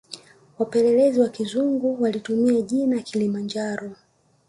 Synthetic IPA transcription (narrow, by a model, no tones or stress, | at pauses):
wapɛlɛlɛziwakizuŋɡuwalitumiaʄinakʰilimand͡ʒaɾɔ